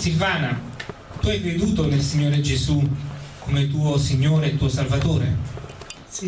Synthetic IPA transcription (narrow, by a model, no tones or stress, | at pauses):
silvaːna | t̪uajved̪uːt̪onelsiɲːoːɾed͡ʒezukʰːomet̪̬uːosiɲːoːɾeːt̪ːuːosalvat̪oːɾḛ